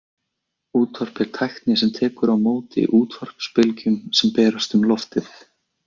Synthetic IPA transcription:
uːt̪vɔr̥pɛɾ̥t̪ʰajxt̪nɪsɛmt̪ʰɛːkʏɾawmoːwt̪ɪ̰ḭʔuːt̪ʰvɔr̥pspɪlcʏmsɛmpɛːɾast̪ʏmlɔft̪ɪθ

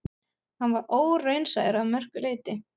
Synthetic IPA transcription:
hanvaɾoːwrejnsaðɪɾaðmœr̥kʏleːjt̪ɪ

